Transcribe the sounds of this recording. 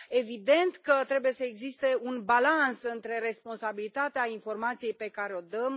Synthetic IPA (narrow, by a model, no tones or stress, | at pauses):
e̞vid̪e̞nt̪kət̪ɾe̞buje̞səe̞ɡzist̪e̞unbalansɨnt̪ɾe̞ɾe̞spo̞nsabilit̪at̪eainfo̞rmat̪sije̞jpe̞kaɾeo̞d̪əm